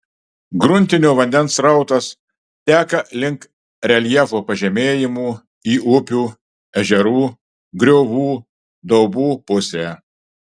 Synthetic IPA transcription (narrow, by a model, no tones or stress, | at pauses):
ɡɾʊnʲt̪ʲɪnʲuːʋɐnʲd̪ʲɛnsɾɐˑʊt̪ɐs | t̪ʲæːkɐlʲɪŋk | ɾʲɛlʲjɛfoːpɐʒʲɛmʲeːjɪmuː | iːʔʊpʲuː | ɛʒʲɛɾuː | ɡɾʲoːʋuː | d̪ɒʊbuːpʊsʲeː